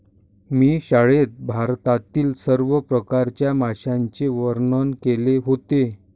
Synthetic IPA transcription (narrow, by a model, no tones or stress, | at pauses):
miːɕaɭet̪̚bʱaɾt̪at̪iːlsəɾʋəpɾəkaɾt͡ɕjamaɕãɲt͡ɕeʋəɾɳənkeleɦot̪e